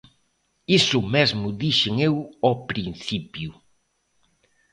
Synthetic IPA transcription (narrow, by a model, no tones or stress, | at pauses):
isʊmezmʊðiʃɪŋewɔpɾin̟θipjʊ